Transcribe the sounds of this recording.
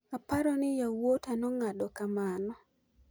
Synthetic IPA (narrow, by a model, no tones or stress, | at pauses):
apaɾɔnɪjawotanɔŋadɔkamanɔ